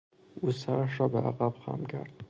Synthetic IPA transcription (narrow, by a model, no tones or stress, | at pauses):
uːsæɾæʃɾɒːbeʔaɣæbxɒ̰mkʰæ̰ɾd̪